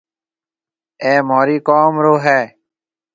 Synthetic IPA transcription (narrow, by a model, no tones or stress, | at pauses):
eːmoːɾiːkoːmɾoːɦɛː